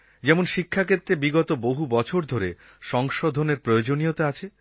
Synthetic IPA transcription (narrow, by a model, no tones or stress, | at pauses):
d͡ʑɛmonʃikʰːakʰet̪ːɾebiɡɔt̪oboɦubɔt͡ɕʰoɾd̪ʱoɾe | ʃɔŋʃod̪ʱoneɾpɾojod͡ʑonijot̪eat͡ɕʰe